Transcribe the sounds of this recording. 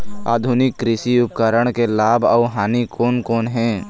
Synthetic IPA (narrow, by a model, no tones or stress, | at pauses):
a̰ːd̪ʱʊnɪkːɾɪsiʊp̚kəɾəɽ̃kelaːbʱaːɦaːnikʰoːnkoːnɦɛ̃ː